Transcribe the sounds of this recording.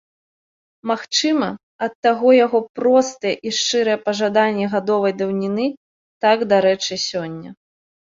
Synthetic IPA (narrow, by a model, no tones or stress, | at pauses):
maxt͡ʂɨmɐ | ɐt̪ːaɣɔjaɣɔpɾɔst̪ɐjɛʔiʂt͡ʂɨɾɐjɛpɐʐad̪anʲːɛɣad̪ɔvɐjd̪ɐwnʲinɨ | t̪aɡd̪aɾɛt͡ʂɨsʲɔnʲːɐ̰